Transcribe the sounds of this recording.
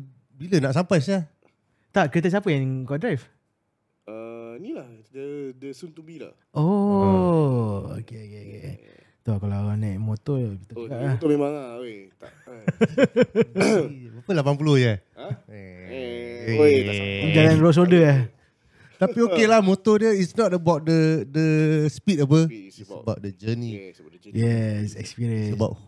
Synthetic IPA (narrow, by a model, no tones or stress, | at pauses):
bilənaʔsampajsa | t̪aʔkɾit̪̬əs̬apəjaŋɡɔʔdɾajf | ənilahd͡ʒaədəsunt̪ubila̰h | ʔo | o̰keokeoke | t̪ɔkalaanãʔmot̪ɔkit̪əd͡ʒuɡaʔlat̪ɔmemaŋaoea | apəlapanp̬uloja | d͡ʒalanɾos̬odəa | t̪apiokelahmot̪ɔdiəisnɔt̚əbawt̚dədəspitabəisəbawʔ̚dəd͡ʒənijɛsɛ̰kspiɾiənəba̰ʔ